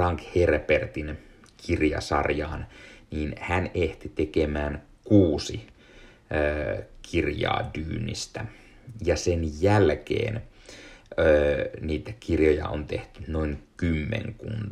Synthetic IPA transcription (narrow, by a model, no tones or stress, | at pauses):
rɑŋkherpert̪in | kʰirjɑ̰sɑrjɑːnniːnhænʔeht̪it̪ekemæːn | kuːsi | kʰirjɑ̰ːdyːnːḭst̪æ | jɑsenjælkḛːn | øːniːt̪ækirjojɑ̰ont̪eht̪ynoiŋkymːḛŋkṵnt̪